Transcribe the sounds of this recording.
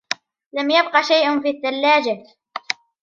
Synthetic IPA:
lamjabqɑʃajʔʊnfiːθːalːaːd͡ʒa

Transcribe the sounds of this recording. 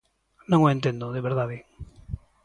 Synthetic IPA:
nõŋoent̪end̪oðeβeɾðaβeŋ

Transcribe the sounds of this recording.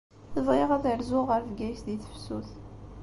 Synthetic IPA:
θəvʁiʁæðəɾzʊʁəɾfɡæjsd̪iθə̥fsuθ

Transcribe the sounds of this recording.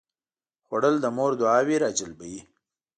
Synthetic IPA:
xwaɽəld̪əmoɾd̪ʊɑːwiɾɑːd͡ʒəlbəji

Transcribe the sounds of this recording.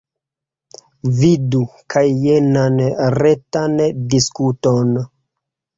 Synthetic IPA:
vidukʰajːenanɾetandiskuton

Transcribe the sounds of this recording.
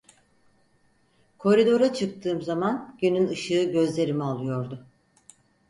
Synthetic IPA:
kʰo̞ɾid̪o̞ɾat͡ʃʰɯk̚t̪ʰɯːmzamanɟynynɯʃɯːɟø̞zlʲe̞ɾimialˠɯjo̞ɾd̪ʊ

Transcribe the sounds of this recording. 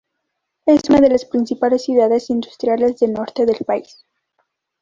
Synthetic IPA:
esunaðe̞laspɾinsipale̞sːjuðaðe̞sind̪ust̪ɾjale̞zðelno̞ɾt̪e̞ðe̞lpais

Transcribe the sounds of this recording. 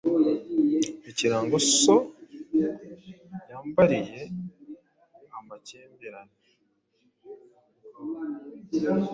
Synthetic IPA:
eciɾaːŋɡoso | jaːmbaɾije̞ | ambaceːmbeɾane

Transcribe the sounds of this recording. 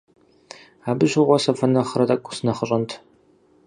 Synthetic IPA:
aːbɨʑɪʁʷɔsɐfɐnɐχrɐtʼɐkʷʼʊ̥sɨnɐχəɕʼɐntʰ

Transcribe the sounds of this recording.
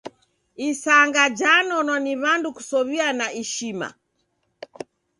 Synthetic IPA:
isaŋɡad͡ʒanɔnɔniβanduku̥sɔβianaʔiʃima̰

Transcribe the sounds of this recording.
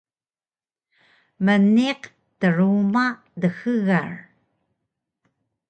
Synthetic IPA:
məneq | t̪əɻuːma | ðəxəɣaɻ

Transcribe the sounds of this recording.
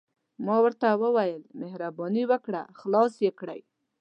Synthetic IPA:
mɑwəɾt̪awəwajəlmehɾabɑniwəkɽa̰xlɑsjekɽa̰j

